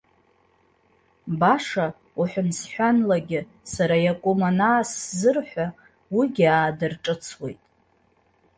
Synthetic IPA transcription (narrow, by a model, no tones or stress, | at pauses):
baʂa | uħʷᶣʊnsħʷᶣanlaɡʲɪ | saɾajakʷʼumanaːszɨrħʷa | wiɡʲiaːdɨrʈ͡ʂʼɨt͡sʰwe̞jtʼ